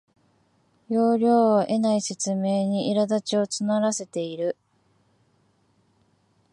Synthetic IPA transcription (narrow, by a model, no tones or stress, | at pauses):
jo̞ːɾʲo̞ːβaʔe̞naise̞t͡sɨme̞ːɲ̟iʔiɾad̪at͡ɕio̞t͡sɨnaɾase̞t̪e̞iɾɯ̟